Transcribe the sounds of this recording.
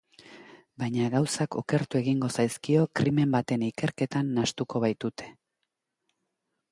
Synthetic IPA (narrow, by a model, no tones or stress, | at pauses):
bajɲaɣawsakoke̞ɾt̪ue̞ɣiŋɡo̞sajskio̞kɾime̞mbat̪e̞nike̞ɾke̞t̪anːast̪uko̞βajt̪ut̪e̞̥